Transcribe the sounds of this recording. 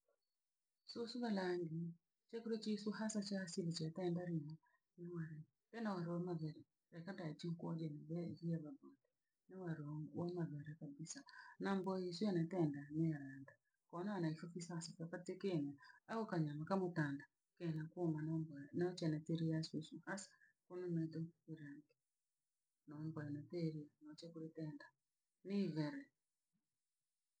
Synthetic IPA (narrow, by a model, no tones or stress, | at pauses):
sosuβalaŋɡi | t͡ʃɛkuɾot͡ʃisuhasat͡ʃasilit͡ʃiatɛndaɾimɔ | newaɾɛ | kɛnawaɾɛwamaβɛɾɛ | ɾɛkadat͡ʃiŋkwɔd͡ʒɛnaβɛɣiɛβabondɛ | nɪwaɾɔwɔmaβɛɾɛkabisanambɔiswanatɛndanɛalanda | kɔnanaifɔfisasafakatekenaaɔkaɲamakamotaːnda | kenakomanmbnat͡ʃɛnateɾiaswesuhasḁ | kononɛtoiɾaŋɡɛ | nɔmbɔɛnatɛɾianɔt͡ʃɛkuɾetɛːnda | neβɛɾɛ